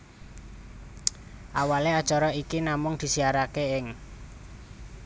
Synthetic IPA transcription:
ʔawalead̥ʒ̥ɔɾɔikinamʊŋd̪̥i̤siaɾakeɪŋ

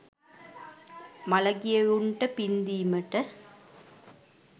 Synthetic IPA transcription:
mɐlɐɡɪjɐɻuɳʈɐpind̪iːmɐʈːɐ

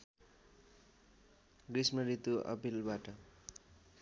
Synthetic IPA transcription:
ɡrismʌɾit̪uʔʌ̰pilbaʈʌ

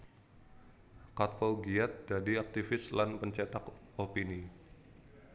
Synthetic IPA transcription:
kat̪̚fowɡiat̪̚dadiak̚t̪ifɪslanpəɲt͡ʃɛt̪akopini

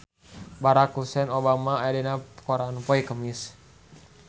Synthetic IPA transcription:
baɾakusɛnobamaadɛnakɔɾanupɔikəmis

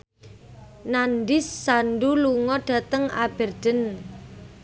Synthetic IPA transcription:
nanɖɪsːanɖuluŋɔɖ̥ä̤t̪əŋa̰b̥ə̤rd̪̥ə̤n

